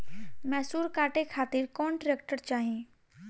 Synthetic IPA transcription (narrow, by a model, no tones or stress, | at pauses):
mɛːsuːɾkaːʈekʰaːt̪ɪɾkɔːnʈɾeːk̚ʈəɾt͡ʃaːɦẽː